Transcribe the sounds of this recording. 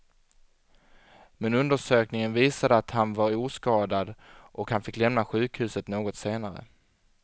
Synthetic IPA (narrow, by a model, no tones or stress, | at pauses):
mɛnɵnd̪əʂøːknɪŋənviːsad̪əat̪hanvaɾuːskɑːd̪ad̪ʔɔkhanfɪkːlɛmnaɧʉ̟ːkhʉ̟ːsət̪noːɡɔt̪seːnaɾə̰